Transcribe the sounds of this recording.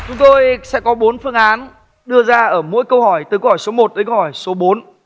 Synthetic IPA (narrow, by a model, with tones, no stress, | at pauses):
t͡ɕʊ˨˦ŋ͡mt̪o˧jsɛ̰˧˥kɔ˨˦ɓo˨˦nfɨ˧əŋʔaː˨˦n | ɗɨ˧əzaː˧ʔəː˧˩mṵ˧˥əjkə˧whɔ˧˩jt̪ɨ˨˩kə˧whɔː˧˩jso˨˦mo˨˩t̚ɗ̪əː˨˦kə˧whɔ˧˩jso˨˦ɓo˨˦n